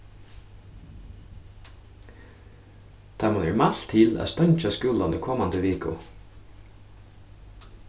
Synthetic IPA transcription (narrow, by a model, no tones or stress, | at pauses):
t̪ʰamanɛ̰ɹmaɬt̪ʰɪlæ̰st̪œɲt͡ʃaskʉːlanikʰɔmand̪əʋeːkʊ̰